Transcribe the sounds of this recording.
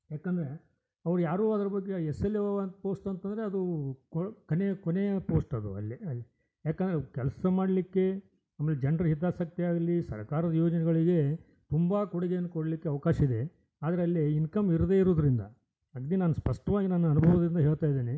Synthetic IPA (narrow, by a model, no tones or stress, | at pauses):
jaːkend̪ɐɾe̞ | ɐʋɐɾujaːɾuːɐd̪ɐɾɐbɐɡːeɛsɐlːeʋnt̪poːsʈɐnt̪ɐnd̪ɾe̞ɐd̪ukkonekɔnepoːsʈɐd̪ṵɐ̰lːiɐlːi | jaːkend̪ɐɾekɛlɐsɐmaːɽlikːe̞ | ɐmːeled͡ʒeɳɖɐɾɦid̪ːaːsɐk̚t̪iaːɡɐlːisɐ̰ɾkaːɾɐd̪ɐjo̞ːd͡ʒɐnɛɡɐɭiɡe̞ | t̪umbakuɽiɡejɐnːkoɽɐlikːeɐʋɐkaːʃɐid̪e̞ | aːd̪ɐɾeɐlːiinkɐmiɾɐd̪e̞iɾoːd̪ɐɾind̪ɐ̰ | ɐɡd̪inaːnuspɐʂʈɐʋaːɡinaːnːuaɐnubʱɐʋoːd̪ɾind̪ɐɦe̞ːɭt̪aːjd̪eːni